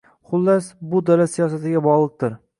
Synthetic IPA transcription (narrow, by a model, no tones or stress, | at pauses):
χʊlˠːasbʊd̪alasijɒsat̪ɪɡʲabɒʁlˠɨq̚t̪ʰɪɾ